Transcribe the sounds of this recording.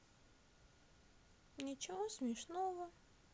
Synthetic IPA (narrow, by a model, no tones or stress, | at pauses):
nʲɪt͡ɕɪvosmʲɪʂnovə